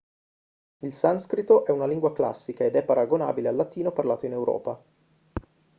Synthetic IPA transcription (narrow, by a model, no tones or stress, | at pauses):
ilsanskɾit̪oʔɛunaliŋɡwakla̰sːikaed̪ɛpːaɾaɡona̰ːbilealːat̪iːnoparlaːt̪oinewɾɔ̰ːpa